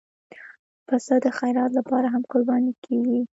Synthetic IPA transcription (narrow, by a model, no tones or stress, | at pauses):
fasɑd̪əxajɾɑt̪lapɑɾaɦamkoɾbɑnikʰeɡi